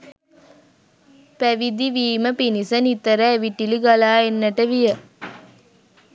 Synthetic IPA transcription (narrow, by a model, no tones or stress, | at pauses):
pæʋid̪iʋiːməpinisənit̪əɾəːʋiʈiliɡalaːenːəʈəʋijə